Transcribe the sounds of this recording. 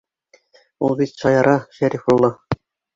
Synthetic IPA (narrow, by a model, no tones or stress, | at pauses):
ulˠbit̪ʃɑjɑɾɑʃæɾifulˠːɑ